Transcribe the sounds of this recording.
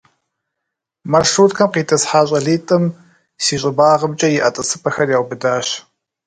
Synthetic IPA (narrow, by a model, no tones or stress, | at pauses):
mɐrʂuːtkʰɐmqiːtʰɐsħaːɕ̬ʼɐɮiːtʼɨm | siːɕʼɪbaːʁəbt͡ʃʼɐjɪʔɐtʼɨsɨpʰɐxɐrjaːwʷbɨdaːɕ